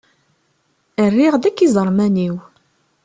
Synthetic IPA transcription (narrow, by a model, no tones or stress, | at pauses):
ərːiʁðækːizˤəɾˤmæniw